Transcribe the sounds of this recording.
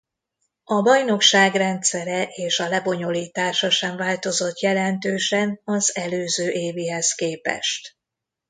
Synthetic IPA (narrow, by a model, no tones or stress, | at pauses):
ɒbɒjno̞kʃaːɡrɛnt̪sɛɾɛʔeːʃɒlɛbo̞ɲo̞liːt̪aːʃɒʃɛɱvaːlt̪o̞zo̞t̪jɛlɛnt̪øːʃɛnɒzɛløːzøːʔeːviːɦɛskeːpɛ̰ʃt̪